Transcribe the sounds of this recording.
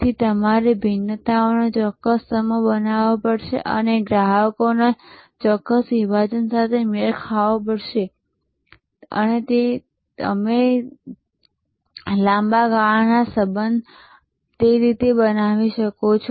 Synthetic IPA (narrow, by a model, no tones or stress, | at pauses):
t̪ʰit̪əmaɾebʱinːət̪aonet͡ʃɔkːəstəməbənaʋopəɽʃḛʔə̰neɡɾaɦəkonet͡ʃɔkːəsʋiʋad͡ʒənsat̪ʰemeɭkʰaʋop̬əɽʃe | ə̰net̪e | ə̰me | lãmbaɡaɭnasəbənd̪ʱ | t̪eɾit̪ebənaʋiʃəkot͡ʃʰ